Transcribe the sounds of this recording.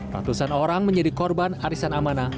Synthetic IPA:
ra̰t̪usanoɾaŋməɲd͡ʒadikɔrbanaɾisanamana

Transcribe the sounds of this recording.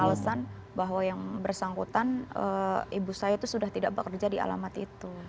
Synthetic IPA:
aləsan | baɦwajaŋbərsaŋkut̪anə̰ʔibusajat̪usudaht̪idaʔ̚bəkərd͡ʒadia̰la̰mat̪it̪u

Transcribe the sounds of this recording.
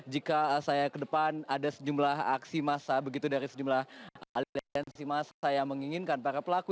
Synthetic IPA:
d͡ʒikasajakədəpanadasəd͡ʒumlaɦa̰ksimasabəɡit̪udaɾisəd͡ʒumlahalilɛnsimasasajaməŋiŋinkanpaɾapəlaku

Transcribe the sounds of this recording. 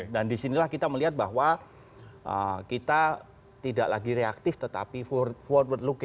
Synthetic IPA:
dandisinilahkit̪aməliɦat̪̚baɦwa | ʔə̰kit̪a | t̪ida̰ʔla̰ɡiɾeak̚t̪ɪft̪ət̪a̰pifɔt̪̚wət̪luk

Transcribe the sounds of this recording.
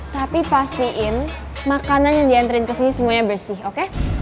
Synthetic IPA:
t̪apipast̪iʔɪn | makananjaŋdiant̪əɾɪnkəsinisəmuaɲabərsɪhoke

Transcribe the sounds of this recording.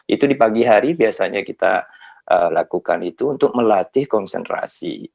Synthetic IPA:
ʔḭt̪udipaɡiɦaɾibiasaɲakit̪a̰ʔəlakukanit̪uːnt̪ʊk̚məlat̪ɪhkɔnsɛ̰nt̪ɾa̰sḭ

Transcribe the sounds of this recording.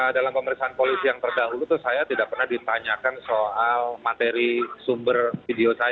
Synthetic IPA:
dalampəməɾiksaanpolisijaŋt̪ərdaɦulut̪ʊsajat̪idaʔpərnahdit̪aɲakansoʔalmat̪eɾisumbərfideosaja

